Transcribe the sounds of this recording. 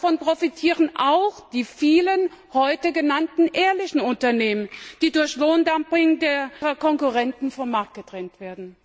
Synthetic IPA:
fɔnpʁ̥ofitʰiːʁənʔaʊxd̥iːfiːlənhɔʏtəɡənantn̩ʔeːɐlɪçn̩ʊntɐneːmənd̥iːdʊɐçloːndampɪŋdeːɐʁɐkʰɔŋkuʁɛntn̩fɔmaɐk̚t̚ɡ̥ətʁ̥ɛntv̥eːɐdn̩

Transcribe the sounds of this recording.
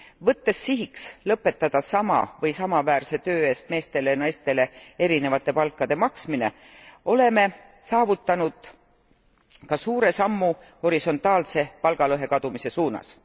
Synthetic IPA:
vɤt̪ːe̞sːiɦikslɤpːˑe̞t̪ːɑd̪̥ɑsɑmɑ̰vɤjsɑmɑvæːrse̞t̪øːe̞ːst̪̚me̞ːst̪e̞lenɑjst̪e̞le̞e̞ɾine̞vɑt̪ːˑe̞pɑlkːˑɑd̪̥e̞mɑksmine̞ | o̞le̞me̞ | sɑːvut̪ːˑɑnud̪̥ | kɑsuːɾe̞sɑmːu | ho̞ɾiso̞nt̪ˑɑːlse̞pɑlɡ̥ɑlɤɦe̞kɑd̪̥umise̞suːnɑ̰s

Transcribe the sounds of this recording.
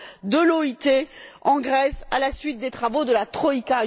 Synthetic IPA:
d̪əlɔit̪eɑ̃ɡʁɛsalasɥit̪̚d̪et̪χavod̪əlat̪χɔika

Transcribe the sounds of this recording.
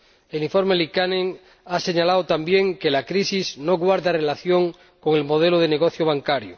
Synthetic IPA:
eliɱfo̞ɾmelikanẽŋ | ase̞ɲalaot̪ambjeŋkelakɾisiznoɣwaɾðare̞laθjo̞ŋ | koŋe̞lmoð̞eloð̞eneɣ̞oθjoβ̞aŋkaɾjo

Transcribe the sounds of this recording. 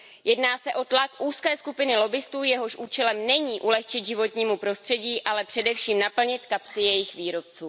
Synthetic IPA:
jɛdnaːsɛʔo̞t̪lakʔuːskɛːskupɪnɪlo̞bɪst̪uːjɛɦo̞ʃʔuːt͡ʃɛlɛmnɛɲiːʔulɛxt͡ʃɪt̪ʒɪvo̞t̪ɲiːmupɾo̞st̪r̥ɛɟiːʔalɛpr̥ɛdɛfʃiːmnapl̩ɲɪt̪kapsɪjɛjɪxviːɾo̞pt͡suː

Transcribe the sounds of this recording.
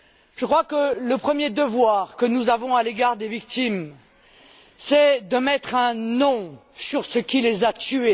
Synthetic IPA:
ʒ̥əkχwakələpχəmjed̪əvwaʁkənuzavɔ̃aleɡaʁd̪evik̚t̪im | sɛd̪əmɛt̪χɛ̃nɔ̃syʁsəkʲilezat̪ye

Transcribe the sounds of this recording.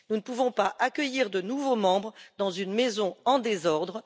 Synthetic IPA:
nunəpuvɔ̃paʔakʲœjiʁd̪ənuvomɑ̃bʁd̪ɑ̃zynmezɔ̃ɑ̃d̪ezɔʁd̪ʁ

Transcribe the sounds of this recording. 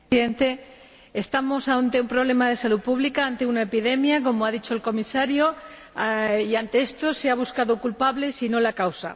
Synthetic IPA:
ðent̪e̞ | est̪amo̞saont̪e̞umpɾo̞β̞le̞mað̞e̞salupuβlikaant̪e̞unaepiðe̞mjak̬o̞moaðit͡ʃo̞elko̞misaɾjo̞ | iant̪e̞e̞st̪o̞seaβ̞uskaðokulpaβle̞sino̞lakawsa̰

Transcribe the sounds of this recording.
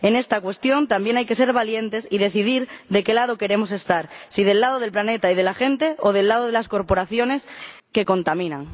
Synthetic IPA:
e̞ne̞st̪akwe̞st̪jo̞nt̪ambje̞najke̞se̞ɾβalje̞nt̪e̞siðe̞θiðiɾðeke̞lað̞oke̞ɾe̞mo̞se̞st̪aɾsið̞e̞lːað̞oð̞e̞lplane̞t̪aið̞e̞laxe̞nt̪e̞oð̞e̞lːaðoð̞elasko̞ɾpo̞ɾaθjo̞ne̞s | ke̞ko̞nt̪amĩnaŋ

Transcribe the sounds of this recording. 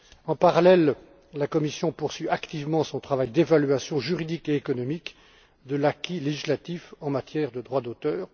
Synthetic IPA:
ɑ̃paʁalɛl | lakɔmisjɔ̃puʁsɥyakt̪ivmɑ̃sɔ̃t̪χavajd̪evalɥasjɔ̃ʒyʁid̪ikeːkɔnɔmik | d̪əlakʲileʒislat̪ifɑ̃mat̪jɛʁd̪əd̪ʁwad̪ot̪œːʁ

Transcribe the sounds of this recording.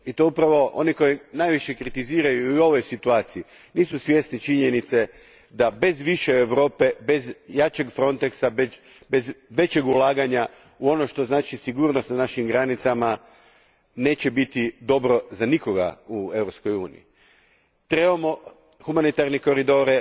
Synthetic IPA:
it̪oupɾaʋo̞ʔo̞̰niko̞jinajʋiʃe̞kɾit̪iziːɾajuio̞ʋo̞jsit̪uaːt̪sii | niːsusʋje̞st̪nit͡ʃiɲenit̪se̞ | d̪abe̞zʋiʃeːʋɾo̞ːpe̞be̞zjat͡ɕe̞ɡfɾo̞nt̪eksabe | bezʋe̞t͡ɕe̞ɡulˠaːɡaɲa | uo̞no̞ʃt̪o̞znaːt͡ʃisiɡuːɾno̞st̪nanaʃimɡɾanit̪sama | ne̞ːt͡ɕe̞bit̪id̪o̞bɾo̞zaniko̞ɡa̰ue̞ʋɾopsko̞juːnḭḭ | t̪ɾe̞bamo̞ | xumanit̪aɾniko̞ɾid̪o̞ɾe

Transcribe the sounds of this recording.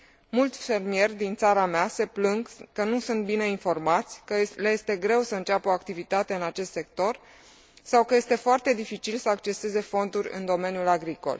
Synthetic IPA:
mult̪sʲfe̞rmije̞rʲd̪int̪saɾamease̞plɨŋɡkənusunt̪̚bine̞info̞rmat̪sʲkəleje̞st̪e̞ɡɾe̞wsəɨnt͡ʃapoakt̪ivit̪at̪e̞ɨnat͡ʃe̞st̪se̞kt̪o̞r | sawkəje̞st̪e̞foart̪e̞d̪ifit͡ʃilsəakt͡ʃe̞se̞ze̞fo̞nd̪urʲɨ̰nd̪o̞me̞njulaɡɾiko̞̰l

